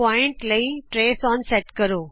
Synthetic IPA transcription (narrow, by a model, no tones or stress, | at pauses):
aːɪ̃ɳʈlɐiʈɾeːsɔːnsɛʈkɐɾoː